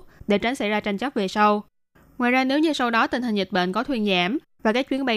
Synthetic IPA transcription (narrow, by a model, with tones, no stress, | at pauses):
ɗḛ˧˩t͡ɕa˨˦ŋ̟sa˧˩jzaː˧t͡ɕa˧ŋ̟t͡ɕə˦˥ve˨˩sa˧w | ŋwaː˨jzaː˧ne˨˦wɲɨ˧sa˧wɗɔ˨˦t̪ï˨˩t̪a˨˩ŋ̟zi˨˩t̚ɓə̰˧˨nkɔ˨˦t̪ʰwi˧ənza̰ː˧˩m | vaː˨˩kaː˦˥k̚t͡ɕwi˨˦ənɓa˧